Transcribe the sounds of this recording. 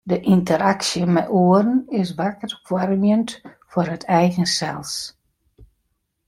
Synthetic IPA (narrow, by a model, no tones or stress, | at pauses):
dəʔintəɾaksjəmɛjʔoəɾənɪs̬ʋakərkfʰwaɾmjəntfʊɾətʰɛjɣənsɛ̰lˠs